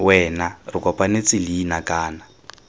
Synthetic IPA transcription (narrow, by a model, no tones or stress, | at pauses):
wɛnarikɔpʼanet͡siliːnakaːna